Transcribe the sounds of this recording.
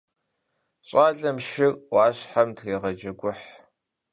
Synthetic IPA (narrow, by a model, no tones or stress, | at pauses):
ɕʼaːɮɐmʃɪɣʼwɑːɕħamtʰxeːʁɐd͡ʒɐɡʷʊħ